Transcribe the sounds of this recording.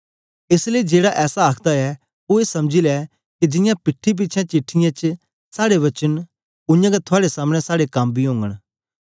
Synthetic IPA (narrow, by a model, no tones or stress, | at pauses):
ɪsleid͡ʒeːɽaʔɛːsaaːkʰd̪aɛ | oːeːsɐmd͡ʒilɛ | kid͡ʒɪ̃jãpɪʈʰːip̬iːt͡ʃʰãt͡ʃɪʈʰːɪjãt͡ʃ | saːɽeʋɐt͡ʃən | ʊ̃jãɡɛt̪ʰʊaːɽesaːmɽ̃ɛsaːɽekɐmbʱiɦõːŋɡəɽ